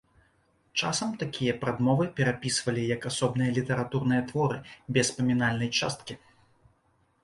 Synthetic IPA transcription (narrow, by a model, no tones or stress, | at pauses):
t͡ʂa̰sɐmt̪akʲijɐpɾad̪mɔvɨpʲɛɾapʲisvɐlʲijɐkasɔbnɨjɐlʲit̪ɛɾat̪uɾnɨjɐt̪vɔɾɨbʲɛspɐmʲinalʲnɐjt͡ʂa̰st̪̚kʲi